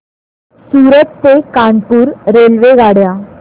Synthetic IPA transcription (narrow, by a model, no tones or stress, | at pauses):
suɾət̪ːekaɳpuːɾɾelʋeɡaɽja